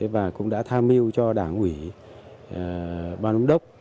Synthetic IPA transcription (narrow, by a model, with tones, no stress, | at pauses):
t̪ʰe˨˦vaː˨˩kʊ̰˧˥ŋ͡mɗa̰ː˧˥t̪ʰaː˧mi˧əwt͡ɕɔ˧ɗaː˧˩ŋʔwi˧˩˨ | ɓaː˧nu˨˧˦ŋ͡mɗə˦˥wk͡p̚